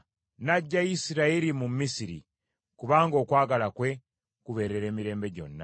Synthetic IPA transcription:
naɟːajisiɾaiɾimumːisiɾḭ | kuβaːŋɡo̞ːkwaːɡalakwe̞ | kuβe̞ːɾe̞ɾe̞ːmiɾe̞ːmbe̞ɟo̞̰nːa̰

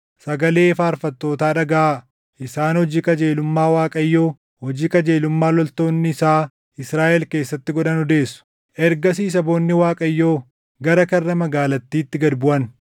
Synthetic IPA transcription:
sɐɡɐle̞ːfaːɾfɐt̪ːo̞ːt̪aːᶑɐɡaʔa | ʔɪsaːnhɔd͡ʒiːkɐd͡ʒe̞ːlʊmːaːwaːkʼɐjːo̞ː | hɔd͡ʒiːkɐd͡ʒe̞ːlʊmːaːlɔlt̪o̞ːnːɪɪsaː | ɪsɾaːʔɛlke̞ːsːɐt̪ːɪɡɔᶑɐnɔd̪e̞ːsːʊ̥ | ʔɛɾɡɐs̬iːs̬ɐbo̞ːnːɪwaːkʼɐjːo̞ː | ɡɐɾɐkɐrːɐmɐɡaːlɐt̪ːiːt̪ːɪɡɐd̪bʊʔɐn

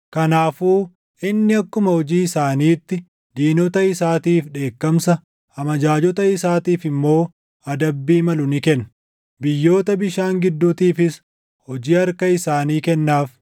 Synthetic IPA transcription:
kɐnaːfuː | ʔɪnːɪɐkːʊmɐhɔd͡ʒiːɪsaːniːt̪ːɪ | d̪iːnɔt̪ɐɪsaːt̪iːfᶑe̞ːkːɐmsɐ | ɐmɐd͡ʒaːd͡ʒɔt̪ɐɪsaːt̪iːfɪmːo̞ː | ɐd̪ɐbːiːmɐlʊnɪkɛnːɐ | bɪjːo̞ːt̪ɐbɪʃaːŋɡɪd̪ːuːt̪iːfɪs | hɔd͡ʒiːɐɾkɐɪsaːniːkɛnːaːf

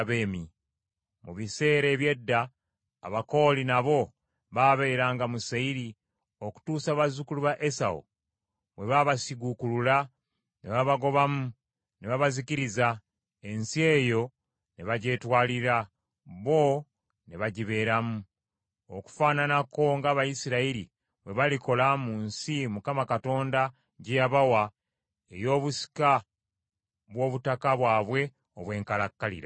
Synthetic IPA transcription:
βeːmi | muβise̞ːɾe̞ːβje̞dːa̰ː | βako̞ːlinaβo̞ | βaβe̞ɾaːŋɡamusaiɾi | o̞ku̥tuːsaβazukuluβaʔe̞sa̰o̰ | βwe̞βaβasiɡukulula | neβaβaɡo̞βamu | neβaβaziciɾiza | e̞nsie̞ːjo̞ | ne̞βaɟe̞ːtwaːliɾa | βo̞ | ne̞βaɟiβe̞ːɾamu | o̰ku̥faːnanako̞ŋɡaːβajisiɾaiɾḭ | βwe̞βaliko̞lamuːnsimukamakato̞ːnda | ɟejaβawa | e̞̰jo̞ːβusi̥ka | βwo̞ːβutakaβwaːβwe̞ | oβwe̞ːŋkalakːalḭɾa̰

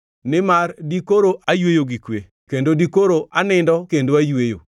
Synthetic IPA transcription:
nɪmardikoɾoʔajwejoɡikwe | kendodikoɾoʔanɪndɔkendoajwejo̰

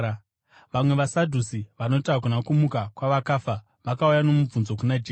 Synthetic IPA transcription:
ʋamwe̞ʋasadʱusiʋano̞tak̬unakumukakwaʋakaːfa | ʋakaujano̞mub͡vunzo̞kunad͡ʒe

